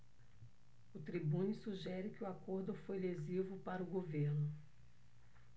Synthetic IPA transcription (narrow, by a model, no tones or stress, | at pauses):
ʊt̪ɾibũnisuʒɛɾɪkɪʊwakoɾd̪ʊfojlezivʊpaɾɐʊɡoveɾnʊ